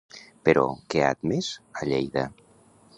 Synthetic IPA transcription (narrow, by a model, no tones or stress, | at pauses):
peɾɔ̰kea̰t̪mezaʎejða